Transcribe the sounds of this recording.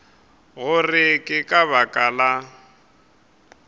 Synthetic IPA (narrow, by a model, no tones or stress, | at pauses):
ɣʊrɪkʼɪkʼaβakʼala